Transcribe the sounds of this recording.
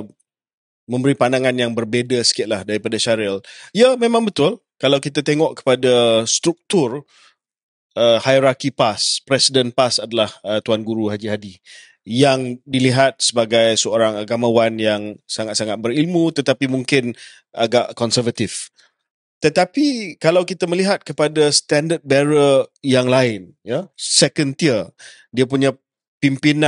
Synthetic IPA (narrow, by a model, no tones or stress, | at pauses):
mə̃mbəɾipandaŋanjaŋbərbedasə̥kiɪt̪̚lahdaɾipadaʃaɾɛljəmẽmãŋbət̪ʊl | kalawkit̪at̪eŋɔʔkə̥padast̪ɾuk̚t̪ʊr | əhajɾakipaspɾɛsidənpasadalahət̪uanɡuɾuɦad͡ʒiɦadi | jaŋdiliɦat̪̚səbaɡajsəoɾaŋaɡamawanjaŋsaŋat̪saŋat̪̚bəɾilmũt̪ət̪apimuŋkɪn | aɡaʔkɔnsəvət̪if | t̪ət̪apikalawkit̪aməliɦat̪̚kəpadast̪andət̪̚bɛɾəjaŋlaɪn | jasɛkənt̪iə | diap̬uɲa | pimpina